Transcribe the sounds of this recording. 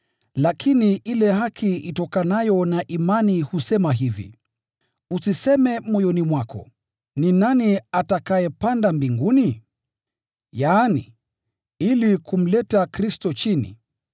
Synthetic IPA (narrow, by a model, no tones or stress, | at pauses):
lakʰiniʔilɛhakʰiitɔkanajɔnaʔimanihusɛmaɦivḭ | usisɛmɛmɔjɔnimwakɔ̰ | ninaniatakajɛpandambiŋɡuni | jaːni | ilikum̩lɛtakɾistɔt͡ʃinḭ